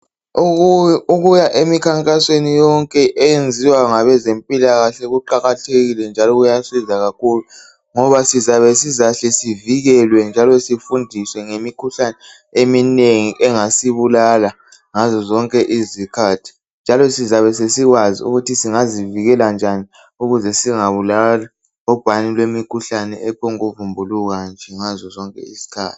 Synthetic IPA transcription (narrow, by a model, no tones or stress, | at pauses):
uɣujaʔemikʰaŋkʼaswenijɔŋkʼɛʔɛjend͡zʱiwaŋaβɛzempʼilaɣaɬɛɣuǃaɣatʰeɣilɛnd͡ʒʱalɔɣujasizaɣakʰulu | ŋɔβasizaβɛsizaɬɛsiviɣɛlwɛnd͡ʒʱalɔsifundʱiswɛŋemikʰuɬanɛ | emineŋiʔɛŋasiβulala | ŋazɔzɔŋkʼɛʔizikʰatʰi̥ | nd͡ʒʱalɔsizaβɛsesiɣwazḭṵɣutʰisiŋaziviɣɛland͡ʒʱani | uɣuzɛsiŋaβulala | ɔb̥ʱanilwemikʰuɬanɛɛpʰɔŋuvumbʱuluɣand͡ʒʱɛŋazɔzɔŋkʼɛ̰isi̥kʰa̰ːti̥